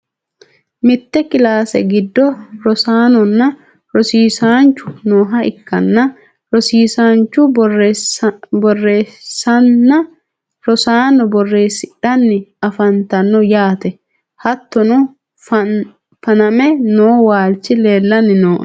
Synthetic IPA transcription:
mɪt̪ːɛkɪlaːsɛ̰ɡɪd̪ːɔɾɔsaːnɔnːɐ | ɾɔsiːsaːnt͡ʃːʊ̥noːɦɐɪkːɐnːɐ | ɾɔsiːsaːnt͡ʃːʊ | bɔrːe̞ːsɐnːɐ | ɾɔsaːnɔbɔrːe̞ːsɪᶑɐnːɪɐfɐnt̪ɐnːɔjaːt̪ɛ | hɐt̪ːɔnɔ | fɐnɐmɛnoːwaːlt͡ʃɪleːlːɐnːɪnoːʔ

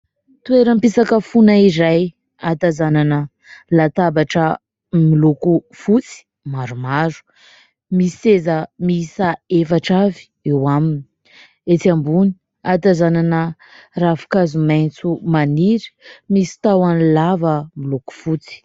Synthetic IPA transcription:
t̪ueɾəmpisakəfunaiɾaj | at̪azananə | lat̪abaʈ͡ʂə | miluku | fut͡si̥ | maɾumaɾu̥ | misezəmisaefaʈ͡ʂavi̥ewamini̥ | et̪ambuni̥ | at̪azananə | rafu̥kazumajnt͡sumaniɾmisi̥t̪awanilavəmiluku̥fut͡si̥

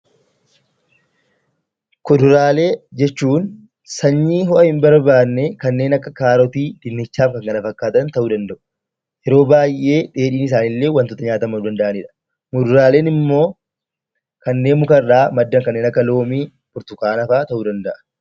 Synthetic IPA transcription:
kʊd̪ʊɾaːle̞ːd͡ʒɛt͡ʃːuːn | sɐɲːiːɦɔʔɐhɪmbɐɾbaːnːɛkɐnːe̞ːnɐkːɐkaːɾɔt̪iːd̪̥ɪnːɪt͡ʃːaːfkɐŋɡɐlɐfɐkːaːt̪ɐnt̪ɐʔuːd̪ɐnd̪ɐʔʊ̥ | jɛɾo̞ːbaːjʔːe̞ːᶑe̞ːᶑiːnɪs̬aːnɪlːe̞ːwɐnt̪ʊt̪ɐɲaːt̪ɐmɐnːd̪ɐnd̪ɐʔɐniːᶑɐ̥ | mʊd̪ʊɾaːle̞ːnɪmːo̞ː | kɐnːe̞ːnmʊkɐrːaːmɐd̪ːɐŋkɐnːeːnɐkːɐlo̞ːmiː | bʊɾt̪ʊkaːnɐfaːt̪ɐʔuːd̪ɐnd̪ɐʔɐ̥

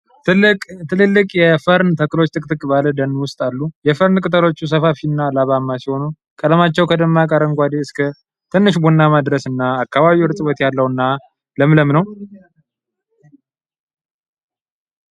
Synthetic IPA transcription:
t̪ʰɨlɨlːɨkʼjɛfəɾnt̪ʰəkːɨlo̞t͡ʃːt̪ʰʼɨkʼt̪ʼɨkʼbaləd̪ənːwʊst̪ʼalːujɛfəɾnkʼɨt̪ʼəlo̞t͡ʃːus̬əfafinːalaβamːasiho̞nu | kʼələmat͡ʃːɛwkʰəd̪əmːakʼəɾəŋkʷad̪eɨskʰə | t̪ʰɨnːɨʃbonːamad̪ɾəsɨnːaːkːaβaβiwɨɾt̪ʼɨbət̪jalːəwɨnːa | ləmləmnəw

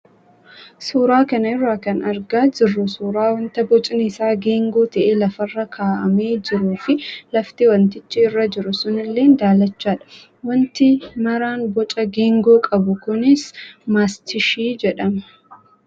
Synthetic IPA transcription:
suːɾaːkɐnɐɪrːaːkɐnɐɾɡaːd͡ʒɪrːʊsuːɾaːwɔnt̪ɐbɔt͡ʃʼɪnɪsaːɡeːŋɡo̞ːt̪ɐʔeːlɐfɐrːɐkʰaːʔɐme̞ːd͡ʒɪɾuːfɪlɐft̪ɪwɐnt̪ɪt͡ʃːɪɪrːɐd͡ʒɪɾʊsʊnɪlːe̞ːnd̪aːlɐt͡ʃːaːᶑɐ̥ | wɐnt̪ɪmɐɾaːnbɔt͡ʃʼɐɡeːŋɡo̞ːkʼɐbʊkʊnɪsmaːst̪ɪʃiːd͡ʒɛᶑɐmɐ̥

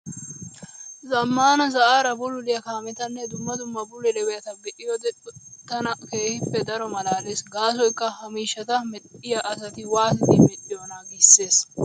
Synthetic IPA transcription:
zɐmːaːnɐsɐʔaːɾɐbʊlʊlɪjɐkaːmɛt̪ɐnːɛd̪ʊmːɐd̪ʊmːɐbʊlɛlɛwɛjɐt̪ɐɡɛʔɪjod̪ɛᶑʊt̪ːɐnɐke̞ːhɪpːɛd̪ɐɾɔmɐlaːleːsɡaːs̬ɔjkːɐhɐmiːʃːɐt̪ɐmɛᶑɪjɐʔɐsɐt̪ɪwaːsɪd̪ɪmɛᶑɪjoːnaɡɪsːe̞ːs

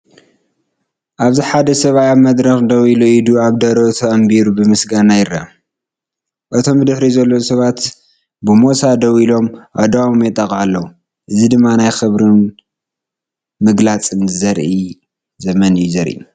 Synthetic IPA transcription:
ʔaβziħad̪ɐsɐβajamɐd̪ɾɐxd̪ɐwiluid̪uaβd̪ɐɾot̪ʰɐɐmbiɾubɨmɨsɡanajɪɾa̰ | ʔɨt̪ʰo̞mbɨd̪ɨħɾizɐlːosɐβat̪ | bɨmo̞sad̪ɐwilo̞mʔad̪awmjɛt̪ʼːɐkʼʕalːɐwu | ʔɨzid̪ɨmːanajxɨβɾɨn | mɨɡlat͡sʼɨnzɐɾʔi | zɐmɐnɨjuzɐɾʔḭu

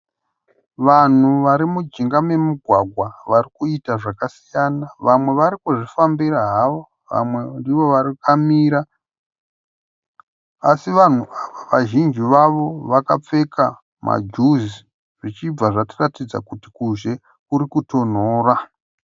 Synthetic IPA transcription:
ʋan̤uʋaɾimud͡ʒiŋɡame̞muɡʱwaɡʱwaʋarikuitaʐakasijanaʋamwe̞ʋaɾikuʐifambiraɦaʋo̞ | ʋa̰mwe̞ndiʋo̞ʋaɾikamiːɾa | asiʋan̤uaʋaʋaʒind͡ʒiʋaʋo̞ʋakap͡fe̞kʰa | ma̰d͡ʒuzi | ʐit͡ʃib͡vaʐatiratid͡za̰kutikuʒe̞ | kuɾikuto̞n̤oːra

